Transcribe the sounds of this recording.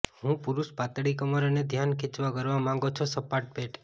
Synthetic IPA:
ɦũpʊɾuʃpat̪ɽikəməɾəned̪ʱjankʰit͡ʃʋakəɾʋamãŋɡot͡ʃʰosəpaʈ̚peʈ

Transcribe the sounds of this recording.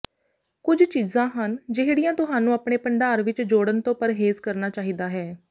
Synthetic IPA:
kʊd͡ʒt͡ʃiːzãːɦənd͡ʒɪɦɽɪjãːt̪ʊɦaːnũːapɳeːpəɳɖaːɾʋɪt͡ʃd͡ʒoːɽənt̪õːpəɾɦeːzkəɾnaːt͡ʃaːɦiːd̪aːɦɛː

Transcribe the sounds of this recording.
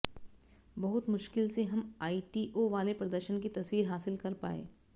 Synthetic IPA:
bɐɦʊt̪mʊʃkɪlseɦɐmaːiʈiːʔoʋaːlepɾɐd̪əɾʃənk̬it̪ɐswiːɾɦaːsɪlkɐɾpa̰ːḛː

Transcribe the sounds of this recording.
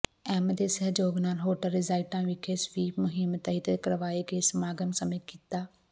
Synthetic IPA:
ɛːmd̪eːsɐɦd͡ʒoːɡnaːlɦoːʈəlɾɪzaːɪʈãːʋɪkʰeːsʋiːpmʊɦɪmt̪ɐit̪ekɐɾəʋaːekʰeːsmaːɡənsɐmet̪̚kit̪aː

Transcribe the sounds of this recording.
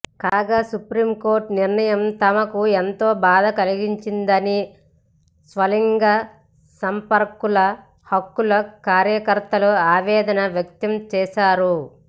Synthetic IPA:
kaːɡaːsupɾiːmko̞ːɾʈniɾɳɐjɐmt̪ɐmɐkuent̪oːbaːd̪ɐkɐliɡiɲt͡ʃind̪ɐni | sʋɐliŋɡaː | sɐmpɐɾkulɐ | hɐkːulɐkaːɾjɐkɐɾt̪ɐluaːʋɛːd̪ɐnɐʋjɐk̚t̪ɐmt͡ʃɛːʃaːɾu

